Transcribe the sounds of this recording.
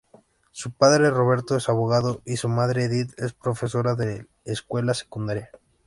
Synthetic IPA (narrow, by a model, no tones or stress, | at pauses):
supaðɾe̞ro̞β̞e̞ɾt̪oesaβoɣ̞aðo̞ʔisumaðɾeðit̪e̞spɾo̞fe̞so̞ɾaðe̞ː | skwe̞lase̥kund̪aɾja